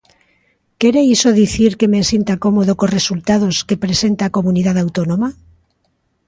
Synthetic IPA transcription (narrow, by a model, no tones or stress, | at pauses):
keɾeisoðiθiɾkemesint̪akomoð̞okosresult̪að̞oskepɾesent̪aːkomuniðaðawt̪onoma